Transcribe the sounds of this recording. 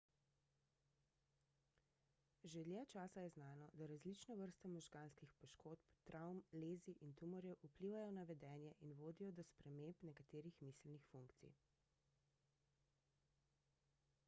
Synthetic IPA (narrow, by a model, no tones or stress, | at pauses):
ʒed̪ljɛt͡ʃaːsajɛznaːnɔd̪aɾazlit͡ʃnɔʋəɾst̪ɔmɔʒɡanskixpɔʃkoːt̪pt̪ɾʔawmleːziʔint̪umɔɾjɛʔupliːʋajɔnaʋɛd̪ɛːnjɛʔinʋoːd̪ijɔd̪ɔspɾɛmempnɛkat̪eːɾixmiːslnixfuŋkt̪sḭj